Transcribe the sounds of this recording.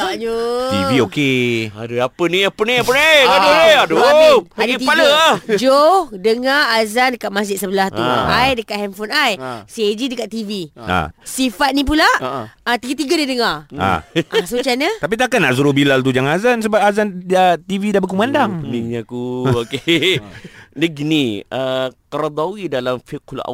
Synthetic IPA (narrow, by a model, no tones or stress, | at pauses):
aɲot̪iviokea̰dəapənĩapənĩapəniadoniadoadət̪ipaləd͡ʒodəŋaazandəkaʔ̪̚masd͡ʒɪt̪̚səbəlaht̪ṵajdəkaʔ̪̚hɛmfɔnajsied͡ʒidəkat̪̚ːivia̰sifat̪̚nĩp̬ulaʔət̪iɡat̪iɡadidəŋara̰asut͡ʃanət̪ap̬it̪akanːaʔs̬uɾubilalt̪̬ud͡ʒaŋazans̬əbap̚azanət̪ividabəkumandaŋəiŋɲakuoke | dəɡiniəkəɾd̪awidalamfikla̰